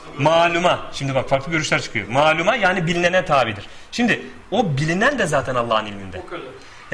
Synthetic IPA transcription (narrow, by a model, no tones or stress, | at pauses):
maːlʲumaʃimd̪ibakfaɾklˠɯɟø̞ɾyʃlʲæɾt͡ʃʰɯ̥kʰɯjo̰maːlʲumajaːnibilʲinenɛt̪ʰaːɾid̪iɾ̥ | ʃimd̪ɪ | obilʲinænd̪ɛzaːt̪ʰɛnalˠːaɦɯnilʲmind̪ɛ